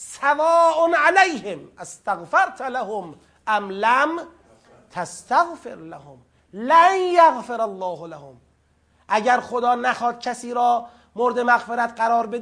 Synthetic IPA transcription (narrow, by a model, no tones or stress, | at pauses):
savɒːʔonʕalæjhemʔæst̪aɣfaɾt̪ʰalahom | ʔæmlæm | t̪ʰast̪aɣfḛɾlahom | lænjaɣfeɾalːɒːhlahom | ʔæɟæɾxod̪ɒːnæxɒːd̪̥̚cʲʰæsiːɾɒː | moɾd̪emæɣfeɾæt̪ɢæɾɒːɾbed̪